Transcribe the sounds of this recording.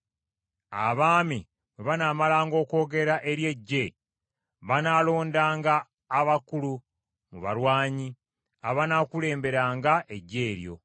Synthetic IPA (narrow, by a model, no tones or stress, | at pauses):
a̰βaːmi | weβanaːmalaːŋɡo̞ːko̞ːɡe̞ɾaʔe̞ɾje̞ɟːe | βanalo̞ːndaːŋɡaː | βakulu | muβa̰ɾwaːɲi | aβanakule̞ːmbe̞ɾaːŋɡaʔe̞ɟːe̞ːɾjo̞̰